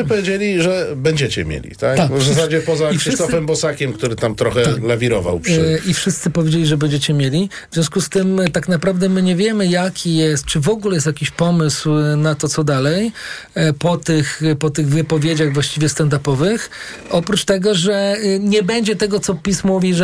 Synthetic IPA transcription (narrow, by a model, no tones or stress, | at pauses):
ɨpɔvʲjed͡ʑelʲiʐɛbɛɲd͡ʑet͡ɕɛ̰mʲjḛlʲḭt̪akt̪avzas̬ad͡ʑɛpɔzaiʂɘsst̪ɔfɛmbɔsakʲɛmkt̪uɾɘt̪amt̪ɾɔxɛalavʲiɾɔva̰wpifʂɨst̪sɘpɔvʲjed͡ʑelʲiʐɛbɛɲd͡ʑɛt͡ɕɛmʲjelʲi | vzvʲjɔ̃s̬kust̪ɘmt̪aknapɾavd̪ɛmɘɲɛvʲjɛmɘjakʲʰijɛst̪̚t͡ʂɘvɔɡulɛjɛst̪jakʲiɕpɔmɘswnat̪ɔt̪sɔd̪alɛj | pɔt̪ɘxpɔt̪ɘɣvɘpɔvʲjed͡ʑaɣvwaɕt͡ɕivjɛst̪ɛnd̪apɔvɘx | ɔpɾut͡ʂt̪ɛɡɔʐɛɲɛbɛɲd͡ʑɛt̪ɛɡɔt̪sɔpʲismɔuvʲiʐ